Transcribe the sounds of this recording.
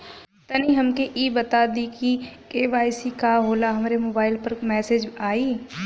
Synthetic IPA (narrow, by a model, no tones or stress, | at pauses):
t̪aniɦɐmkeʔiːbɐt̪ad̪ikieːʋaːɪsikaːɦoːlaɦɐmɾemoːbaːɪlpɐɾmɛːsed͡ʒaːiː